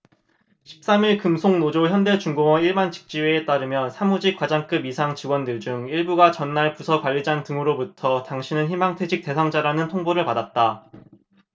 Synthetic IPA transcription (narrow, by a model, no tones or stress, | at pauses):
ɕʰi̥p̚s͈amiɭkɯmsʰoŋnod͡ʑoçjʌnde̞t͡ɕuŋɡoŋwʌiɭbant͡ɕi̥k̚t͡ɕ͈iweːt͈aɾɯmjʌnsʰamud͡ʑikwad͡ʑaŋk͈ɯbisʰaŋt͡ɕiwʌndɯɭd͡ʑuŋiɭbuɡat͡ɕʌnːaɭpusʰʌkwaʎːid͡ʑaŋtɯŋɯɾobutʰʌtaŋɕʰinɯnçimaŋtʰwed͡ʑik̚t͈e̞sʰaŋd͡ʑaɾanɯntʰoŋboɾɯɭpadat̚t͈a